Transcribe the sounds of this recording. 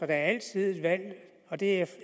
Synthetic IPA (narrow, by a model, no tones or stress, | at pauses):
ɒd̥ɑ̈æɐæl̰t͡sʰið̞̰ˠe̝d̥ʋæl̰ | ɒ̽d̥e̝æ